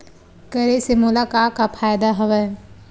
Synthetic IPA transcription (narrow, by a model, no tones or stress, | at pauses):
kɐɾesemʊlaːkaːkapʰaːjd̪aɦɐʋɛ